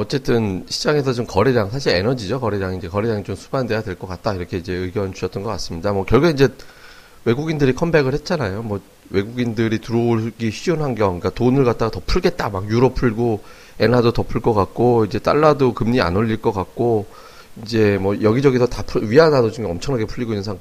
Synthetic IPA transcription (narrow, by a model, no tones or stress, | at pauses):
ʌt͡ɕ͈e̞t͈ɯnɕʰi̥d͡ʑaŋe̞sʰʌt͡ɕomkʌɾiɾaŋsʰaɕʰiɾe̞nʌd͡ʑid͡ʑokʌɾeɾaŋind͡ʑe̞kʌɾeɾaŋit͡ɕomsʰu̥bande̞jadwe̞ɭk͈ʌk͈at̚t͈aiɾʌkʰe̞id͡ʑe̞ɯɡjʌnd͡ʑuɕʰʌt͈ʌnɡʌk͈as͈ɯmɲidamwʌkjʌɭɡuɡeind͡ʑe̞ | we̞ɡuɡindɯɾikʰʌnbe̞ɣɯɭhe̞t̚t͡ɕ͈anajomwʌ | we̞ɡuɡindɯɾitɯɾʌɡiɕijonɦanɡjʌik͈atonɯɭkat̚t͈aɡatʌpʰuɭɡe̞t̚t͈amakjuɾʌpʰuɭɡo | e̞nadotʌpʰuɭk͈ʌkak̚k͈oid͡ʑe̞t͈a̰ɭːadokɯmɲia̰noʎːiɭk͈ʌk͈ak̚k͈o | ind͡ʑe̞mʌjʌɡid͡ʑʌɡisʰʌtapʰuɥianadod͡ʑuŋeʌmt͡ɕʰʌŋnaɡepʰuʎːiɡoinːɯnsʰaŋ